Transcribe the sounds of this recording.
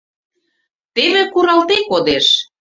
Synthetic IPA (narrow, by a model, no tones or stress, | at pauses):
t̪eβĕkuɾɑlt̪ekod̪eʃ